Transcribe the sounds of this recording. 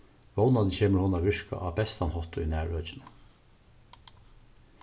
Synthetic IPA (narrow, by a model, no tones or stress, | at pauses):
ʋɔwnannçeːməɹhʊnaːʋɪɹka̰ʔɑːbɛst̪ɑnhɔht̪ʊinæːɹœːt͡ʃɪnə